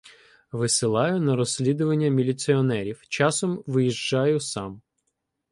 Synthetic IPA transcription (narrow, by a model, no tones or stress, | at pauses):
ʋɪsɪlˠɑjʊnɐɾɔsʲlʲid̪ʊʋɐnʲːɐmʲilʲit̪siɔnɛɾʲiwt͡ʃɑsɔmʋɪjiʒd͡ʒɑjʊsɑm